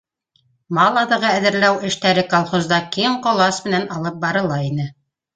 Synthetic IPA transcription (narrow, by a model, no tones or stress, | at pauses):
mɑlˠɑðɤ̆ʁɑæðɘ̆ɾlæwɘ̆ʃt̪æɾɘkolˠχozd̪ɑkimqolˠɑsmɘ̆nænɑlˠɤp̚bɑɾɤ̆lˠɑinɘ